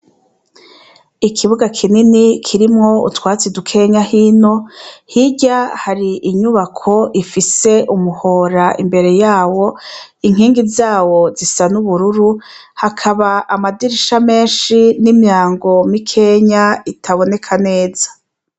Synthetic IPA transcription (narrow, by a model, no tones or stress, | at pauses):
ikʰiβuɡakʰininikʰiɾimŋo̞ṵtwaːt͡sidukʰe̞ɲahiːno̞hiɟahaɾiʔiɲuβakʰo̞ʔifise̞ʔumuho̞ːɾaʔimbe̞ɾe̞jaːwo̞ | iŋɦiːŋɡizaːwo̞zisanuβuɾuɾu | hakʰaβaʔamadiɾiʃame̞ːnʃinimjaːŋɡo̞mikʰe̞ɲaitʰaβo̞ne̞kʰane̞ːzḁ